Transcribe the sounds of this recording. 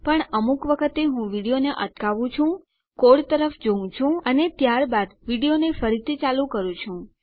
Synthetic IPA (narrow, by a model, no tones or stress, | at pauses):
pəɳəmukʋəkʰət̪eɦũʋiɽijoneʔəʈ̪kaʋũt͡ʃʰũ | koɽt̪əɾəfd͡ʒoũt͡ʃʰũənet̪jaɾbad̪ʋiɽijonefəɾit̪ʰit͡ʃalũkəɾũt͡ʃʰũ